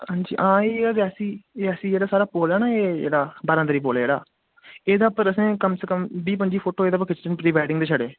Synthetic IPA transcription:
hãːɲd͡ʒḭːʔãːeːd̪əsĩːəsĩːd͡ʒeːɽaːsaːɾaːpoːlaːnaːeːd͡ʒḛːɽaːbaːɾãːd̪əɾiːp̬oːleːd͡ʒeːɽa̰ː | eːd̪aːpəɾəsẽːkəmsəkəmbiːpəɲd͡ʒiːpʰoːʈoːeːd̪aːp̬əɾkɪt͡ʃʈənpɾiːʋaːɪɖɪŋɡd̪eːʃʰəɽeː

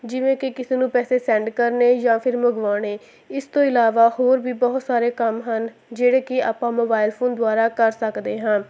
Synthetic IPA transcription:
d͡ʒɪʋẽːkɪkɪseːnũːpɛːseːsɛ̃ːɳɖkəɾneːjãːpʰɪɾməɡʋaːɽ̃eː | ɪst̪õːɪlaːʋaːhoːɾbiːbɔɦʊt̪saːɾeːkəmɦən | d͡ʒeːɽeːkɪa̰ːpãːmoːbaːɪlpʰoːnd̪ʊaːɾaːkəɾsəkd̪eːɦə̃ː

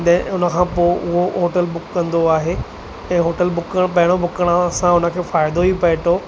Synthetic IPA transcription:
ɗɦɪ̃ʊnə̆kʰãːpoːʔʊɦoɦoːʈəlbʊkːɐ̃nd̪oaːɦe | ɛ̃ːɦoːʈəlbʊkːəɽ̃pɐɦɪɽ̃obʱʊkəɽ̃əɐsãʊnə̆kʰeːfaːɪd̪oipɐɦɪʈ̪ʰoː

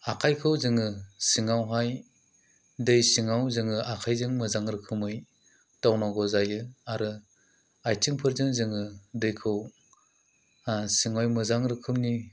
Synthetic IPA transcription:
akʰajkʰɯwzɯŋɯsiŋawɦaj | dɯjsiŋawzɯŋɯʔakʰajzɯŋmɯzaŋɾɯkʰɯmɯj | tawnaɡɔzajɯaɾɯ | ajtɯŋpʰɯɾzɯŋzɯŋɯdɯjkʰɯw | asiŋajmɯzaŋɾɯkʰɯmni

